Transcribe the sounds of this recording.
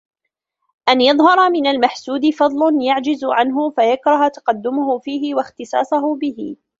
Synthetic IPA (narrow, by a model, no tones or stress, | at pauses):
ʔanjɑðˤhɑɾˤɑmɪnalmaħsuːd̪ɪfɑd̪ˤlʊnjaʕd͡ʒɪzʕanɦʊfajakɾˤɑht̪ɑ̥qɑd̪ːʊmʊhʊfiːɦɪwaxt̪ɨsˤɑ̰ːsˤʊhʊbɪhɪ̰